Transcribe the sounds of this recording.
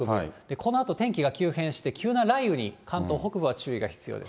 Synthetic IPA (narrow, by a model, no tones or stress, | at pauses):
kɯid̪̥e̞kʰo̞no̞at̪o̞t̪ẽ̞ŋkʲiɡakʲɨːhẽ̞ɰ̃ɕi̥t̪e̞kʲɨːnaɾaiɯ̟ɲ̟ikʰãnt̪o̞ːɦo̞kɯ̟bɯ̟β̞at͡ɕɨːiɡa̰çi̥t͡sɨjo̰ːd̪e̞s